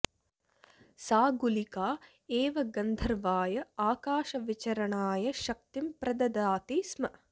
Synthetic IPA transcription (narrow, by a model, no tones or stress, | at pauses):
saːɡulikaː | eːʋɐɡɐnd̪ʱɐɾʋaːjɐaːkaːʃɐʋit͡ʃɐɾɐɳaːjɐʃɐk̚t̪impɾɐd̪ɐd̪aːt̪ismɐ